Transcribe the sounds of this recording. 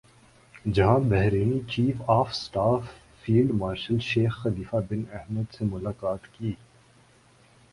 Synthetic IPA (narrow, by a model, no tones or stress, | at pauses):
d͡ʒɐɦãbɛɦɾeːnit͡ʃiːfaːfsʈaːfː | iːlɖmaːɾʃəlʃeːxːɐliːfabɪnɛɦməd̪semʊlaːkaːt̪kiː